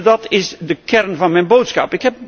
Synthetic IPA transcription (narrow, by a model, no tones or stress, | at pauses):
dɑtɪsdəkɛrnvɑnmɛjnbowtsχɑpɪkɦɛp̚